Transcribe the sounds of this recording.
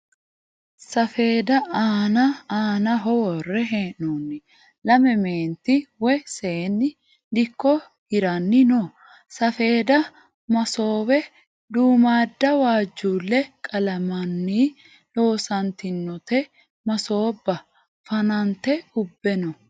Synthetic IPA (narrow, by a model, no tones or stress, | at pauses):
sɐfe̞ːd̪ɐaːnɐaːnɐɦɔwɔrːɛɦeːnunːɪ | lɐmɛmeːnt̪ːɪwɛseːnːɪ | d̪ɪkːɔ | hɪɾɐnːɪnɔ | sɐfe̞ːd̪ɐ | mɐso̞ːwɛ | d̪uːmaːd̪ːɐwaːd͡ʒːuːlːɛkʼɐlɐmɐnːiː | lo̞ːsɐnt̪ɪnːɔt̪ɛ | mɐso̞ːbːɐ | fɐnɐnt̪ɛʊbːɛnɔ